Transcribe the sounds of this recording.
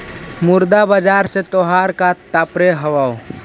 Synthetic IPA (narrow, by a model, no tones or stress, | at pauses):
muɾd̪abəd͡ʒaɾset̪oɦaɾkat̪apɾeɦəwao